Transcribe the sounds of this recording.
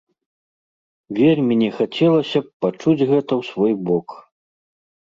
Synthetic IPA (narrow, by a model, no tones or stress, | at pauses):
vʲelʲmʲinʲɛxat͡sʲɛlˠɐsʲɐpat͡ʂud͡zʲɣɛt̪ɐwsvɔjbɔk